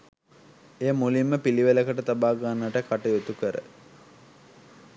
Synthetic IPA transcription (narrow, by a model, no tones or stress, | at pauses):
eːmulimːəpiliʋeləkəʈət̪abaːɡanːəʈəkaʈəjot̪ukəɾə̰